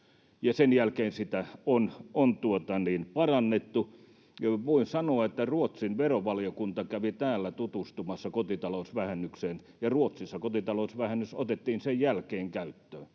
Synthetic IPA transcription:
jɑsenjælkeːnsit̪æonont̪uot̪ɑniːnpɑrɑnːet̪ːu | ʋoinsɑnoɑet̪ːæruot̪sinʋeroʋɑlijokunt̪ɑkæʋit̪æːlːæt̪ut̪ust̪umɑsːɑkot̪it̪ɑlosʋæhænːykseːn | jɑruot̪sisːɑkot̪it̪ɑlosʋæhænːyso̰t̪et̪ːiːnsejjælkeːŋkæyt̪ːøː

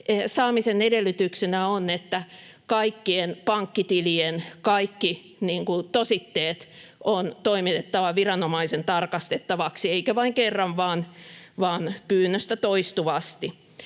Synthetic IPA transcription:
esɑːmisenedelːyt̪yksenæonːet̪ːæ | kɑikːienpɑŋkːit̪ilienkɑikːi | niːŋkut̪osit̪ːeːt̪ont̪oimit̪et̪ːɑʋɑʋirɑnomɑisent̪ɑrkɑst̪et̪ːɑʋɑksieikæʋɑiŋkerːɑʋʋɑːnʋɑːnpyːnːøst̪æt̪oist̪uʋɑst̪i

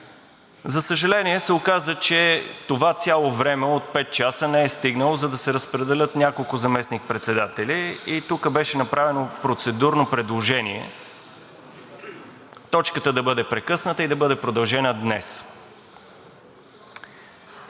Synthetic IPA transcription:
zɐsəʒɐlɛniɛsɛokazət͡ʃɛt̪ovat̪sʲjalˠovɾɛmɛot̪̚pɛt̪̚t͡ʃasənɛɛst̪iɡnəlˠozɐd̪ɐsɛɾəspɾɛd̪ɛlʲɤt̪nʲakolˠkʊzɐmɛsnik̚pɾɛt̪sɛd̪at̪ɛlʲiit̪ukəbɛʃɛnɐpɾʔavɛnopɾot̪sɛd̪uɾnopɾɛd̪lˠoʒɛniɛ̰ | t̪ɔt͡ʃkət̪əd̪ɐbɤd̪ɛpɾɛkɤsnət̪əid̪ɐbɤd̪ɛpɾod̪ɐlˠʒɛnəd̪nɛs

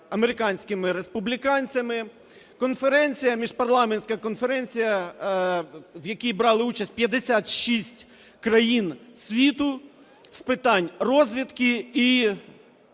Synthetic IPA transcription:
ɐmeɾɪkɑnʲsʲkɪmɪɾespʊblʲikɑnʲt͡sʲɐmɪ | kɔnfeɾɛnʲt͡sʲijɐmʲiʒpɐrlˠɑmenʲsʲkɐkɔnfeɾɛnʲt͡sʲijɐ | wjɐkʲijbɾɑlˠɪut͡ʃɐsʲtʲpʲjɐd̪esʲat̪ʃisʲtʲ | kɾɐjinsʲʋʲit̪ʊ | spɪt̪ɑnʲrɔzʲʋʲit̪kɪi

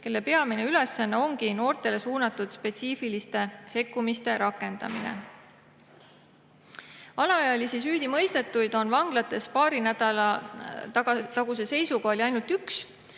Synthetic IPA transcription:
ke̞lːe̞pe̞ɑmine̞ylesːɑnːɑo̞ŋɡ̥ino̞ːrt̪ˑe̞le̞suːnɑt̪ːˑud̪̥spe̞t̪siːfilist̪e̞se̞kːumist̪e̞ɾɑkːˑe̞nd̪̥ɑ̰minḛ | ɑlɑɑjɑlisisyːd̪̥imɤ̞jst̪e̞t̪ːˑujd̪̥o̞nvɑŋɡ̥lɑt̪ːˑe̞spɑːɾinæd̪ɑlɑ | t̪ɑɡ̥use̞se̞jsuɡ̥ɑoliɑjnult̪yks

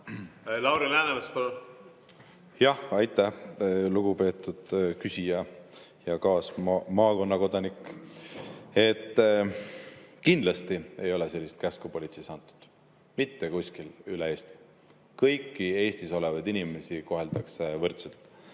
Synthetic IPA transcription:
lɑwɾilæːnevespɑlut̪ | jɑhɑjt̪ːˑæhluɡ̥upe̞ːt̪ːˑud̪̥kysʲijɑ | jɑkɑːsmɑmɑːko̞nːɑko̞d̪̥ɑnikː | e̞t̪ː | kind̪lɑst̪ie̞jo̞lese̞lːist̪̚kæskupo̞lʲit̪sesɑnt̪ːˑu̥d̪̥ | mit̪ːe̞kusʲkilylee̞ːst̪i̥ | kɤjkːie̞ːst̪iso̞levɑjd̪inime̞siko̞ɦe̞ld̪ɑksevɤrt̪selt̪ˑ

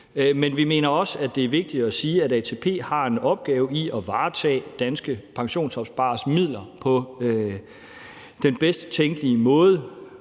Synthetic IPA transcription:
menʋime̝̰ːnɐɒ̽sæd̥e̝æɐʋe̝ɡ̥̚d̥id̥æsiːæɾæt͡sʰe̝pʰe̝̰ːhɑ̈e̝nɒ̽b̥̚ɡ̥ɛːʊiɒʋɑ̈ːt͡sʰɛ̰ːd̥ænsɡ̥əpʰɑ̈ŋɕo̝̰ːnsɒ̽b̥sb̥ɑ̈ːsmið̞̰ˠlɐpʰɒ̽ø | d̥enb̥esd̥ət͡sʰeŋɡ̥liəmɔ̽ːð̞ˠə

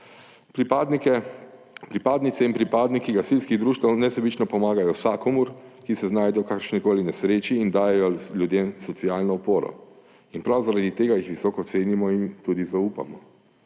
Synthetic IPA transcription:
pɾd̪ | pɾipaːd̪nit̪sɛinpɾipaːd̪nikiɡasilskiɣd̪ɾuːʃt̪awnɛsɛbit͡ʃnɔpɔmaːɡajɔsaːkɔmuɾkisɛznaːjd̪ɛjɔkakəɾʃnikoːlinɛsɾeːt͡ʃiːnd̪aːjɛjɔljud̪jeːmsɔt̪siaːlnɔupoːɾɔ̰ | inpɾawzaɾad̪it̪eːɡajixʋisɔːkɔt̪seːnimɔint̪uːd̪izauːpa̰mɔ

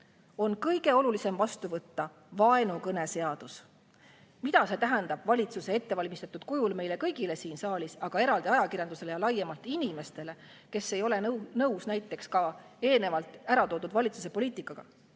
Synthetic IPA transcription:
o̞nkɤjɡe̞o̞lulise̞mvɑst̪uvɤt̪ːɑ | vɑe̞nukɤne̞se̞ɑd̪̥us | mit̪ɑse̞t̪æɦend̪ɑb̥vɑlʲit̪suse̞et̪ːe̞vɑlʲmist̪ɑt̪ːˑud̪̥̚kujulme̞jle̞kɤjɡile̞siːnsɑːlʲisɑɡ̥ɑe̞ɾɑld̪̥iɑjɑkirjɑnd̪̥use̞le̞jɑlɑjːemɑlt̪ˑinime̞st̪e̞le̞ | ke̞sːe̞jo̞le̞nnɤwsnæjt̪ːe̞kskɑ | e̞ːlne̞vɑlt̪ːˑæɾɑt̪o̞ːd̪ud̪vɑlʲit̪sus̬e̞po̞liːt̪ˑikːˑɑɡ̥ɑ̰

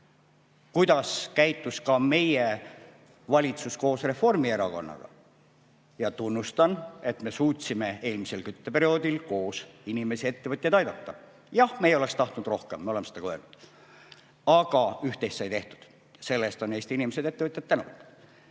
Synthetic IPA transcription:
kujd̪̥ɑskæjt̪ːˑuskɑme̞je | vɑlʲit̪susko̞ːsre̞fo̞rmie̞ɾɑko̞̰nːɑ̰ɡ̥ɑ̰ | jɑt̪unːust̪ɑne̞t̪me̞suːt̪ʲsime̞e̞ːlmise̞lkyt̪ːepe̞ɾio̞ːd̪ilko̞ːsinime̞sie̞t̪ːe̞vɤt̪ʲjɑd̪ɑjd̪ɑt̪ːɑ | jɑhme̞ːjole̞kst̪ɑht̪nud̪̥ro̞hkemːeolemesed̪ɑkøːlnud̪̥ | ɑɡ̥ɑyht̪ejst̪sɑjt̪e̞ht̪u̥d̪̥ | se̞lːest̪o̞neːst̪inimese̞d̪̥e̞t̪ːevɤt̪jɑt̪ːænuvt̪ːu̥

